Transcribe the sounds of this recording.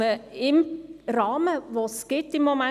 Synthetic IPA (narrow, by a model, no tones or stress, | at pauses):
əɪmɾɑːməʋosɡ̥ɪtːɪmːomɛ